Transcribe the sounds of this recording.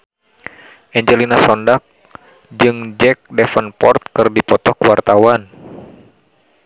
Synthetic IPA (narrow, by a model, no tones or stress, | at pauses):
ʔɛɲd͡ʒɛlinasɔndak̚ | d͡ʒɨŋd͡ʒɛk̚dɛfənpɔrt̪̚kɨrdipɔt̪ɔkəwart̪awan